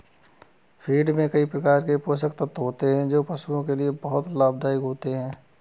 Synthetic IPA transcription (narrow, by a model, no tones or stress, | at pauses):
pʰiːɖmẽkɐipɾɐkaːɾkepoːʃ̬ək̚t̪ət̪ɦoːt̪eɦɛ̃d͡ʒoːpɐsuõkeliebɐɦʊt̪laːb̚d̪aːɪkɦoːt̪eɦɛ̃ː